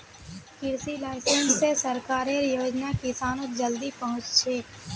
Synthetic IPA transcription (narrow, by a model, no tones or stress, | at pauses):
kɪɾsilaːɪsẽnsːesɐɾkaːɾeɾjoːd͡ʒnakɪsaːnõd͡ʒəld̪ipɐɦʊ̃t͡ʃt͡ʃʰeː